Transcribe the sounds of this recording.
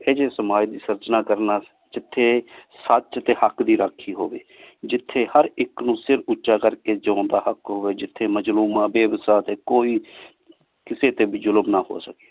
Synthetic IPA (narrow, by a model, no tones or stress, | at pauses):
ed͡ʒeːsəmaːd͡ʒd̪iːsəɾd͡ʒnaːkəɾnaː | d͡ʒɪt̪ʰːeːsət͡ʃt̪eːhəkd̪iːɾəkʰiːɦoːʋḛːd͡ʒɪt̪ʰːeːhəɾɪknũːsɪɾʊtːʃaːkəɾkeːd͡ʒəõːnd̪aːhəkɦoːʋeːd͡ʒɪt̪ʰːeːməd͡ʒluːmãːbeːbsaːt̪eːkoːiː | kɪseːt̪eːbiːd͡ʒʊləmnaːho̰ːsəke̥ː